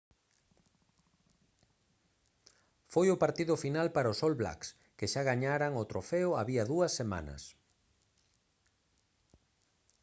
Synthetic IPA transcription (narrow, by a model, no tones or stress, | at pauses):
fojʊpaɾt̪iðʊfinalpaɾaʊsolβla̰ks | keʃaɣaɲaɾaŋot̪ɾofeʊaβiɐðuɐsːema̰nɐ̰s